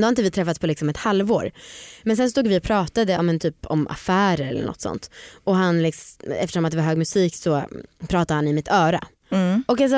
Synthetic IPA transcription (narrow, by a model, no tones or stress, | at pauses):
d̪ɛhaɾɪnt̪əvɪt̪ʰɾɛfːat̪spɔlɪksɔmɛt̪halvo̰ːɾmɛnsɛnst̪uːɡvɪɔpʰɾɑːt̪ad̪əɑːmɛnt̪ʰyːpʰɔ̰mʔa̰fæːɾəɾɛlːə̰ɳʔɔ̰t̪sɔ̰nt̪ʔɔɦanlɪksɛft̪əʂɔmat̪d̪ɛvaɾɦøːɡmɵsiːksɔpʰɾɑːt̪ad̪əhanɪmɪt̪ʰœːɾa̰ | ɔkas̬